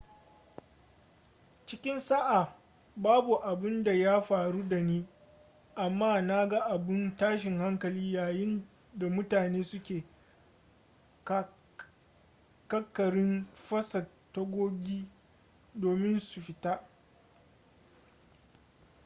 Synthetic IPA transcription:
t͡ʃɪ˦kʲɪ˦nsa˦ʔa˨ | baː˦bu˨ʔa˨bɪ˦nda˨ja˦ɸaː˨ɾu˦da˨niː˦ | ʔa˨mːaː˦na˦ɡa˦ʔa˨bɪ˦ntaː˦ʃɪ˨ŋha˦ŋkɐ˨liː˦jaː˨jɪ˦n | da˨mʊ˦taː˨neː˦sʊ˦kʲeː˨ | kɐ˦kːɐ˨ɽɪ˦nɸɐ˦sɐ˨ | tːɐ˦ɡʷoː˦ɡʲiː˦ | doː˨mɪ˦nsu˨ɸɪ˨ta˦

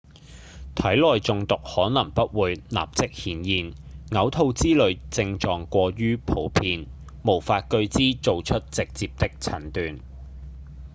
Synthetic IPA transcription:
t̪ʰɐ˨˥jlɔː˨jt͡sʊ˨ŋt̪ʊ˨k̚hɔː˨˥nɐ˨˩ŋpɐ˥t̚wuː˨˧jna̰ː˨p̚t͡sɪ˥k̚hiː˨˥njiː˨˧nŋɐ˨˥wt̪ʰo˧wt͡siː˥lɵ˨˧ɥt͡sɪ˧ŋt͡ʃɔː˨ŋkʷɔː˧ɥyː˥pʰo˨˥wpʰiː˧n | mo˨˩wfaː˧t̚kɵ˧ɥt͡siː˥t͡so˨wt͡ʃʰɵ˥t̚t͡sɪ˨k̚t͡siː˨p̚t̪ɪ˥k̚t͡sʰɐ˨˩nt̪yː˨n

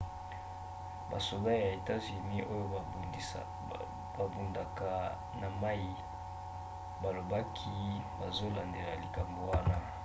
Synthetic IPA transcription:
ba̰˨so˨da˦ja˨e˨ta˦zy˨ni˦ʔo˦jo˦˨ | ba˨bu˨nda˨ka˨ | na˨ma˦i˦ | ba˨lo˨ba˦kʰi˦ba˨zo˦la˨nde˨la˨li˨ka˨mbo˨wa˦na˦

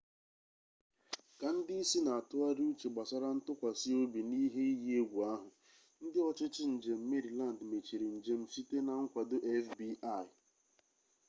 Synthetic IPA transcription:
ka˨n̩˦dɪ˦i˦si˦na˨a˨tʊ˦a˦ɾi˦u˦t͡ʃe˨ɡ͡ba˨sa˦ɾa˦n̩˦tʊ˦kʷa˨sɪ˦o˦bi˨ni˦ɦe˦i˦ji˦e˦ɡʷu˨a˦ɦʊ˨ | n̩˦dɪ˦ɔ˦t͡ʃɪ˦t͡ʃɪ˦n̩˨d͡ʒe˨m̩˦me˦ɾi˨la˦˨n̩˨dme˨t͡ʃi˨ɾi˨n̩˨d͡ʒe˨m̩˨fi˦te˦na˨ŋ̩˦kʷa˨dʊ˦ʔe˦fbi˦a˦˨ɪ˨

